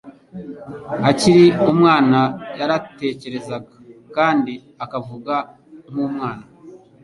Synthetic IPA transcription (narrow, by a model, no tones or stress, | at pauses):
aciɾiumŋaːnajaɾate̞ːce̞ɾe̞zaɡakaːndi | akavuɡa | m̥umŋaːna